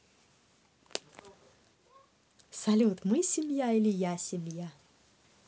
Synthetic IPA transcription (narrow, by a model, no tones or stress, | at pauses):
sɐlʲut̪mɨsʲɪmʲjailʲɪjasʲɪmʲja